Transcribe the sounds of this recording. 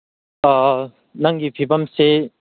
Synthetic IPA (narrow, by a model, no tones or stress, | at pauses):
a | naŋɡipʰipamse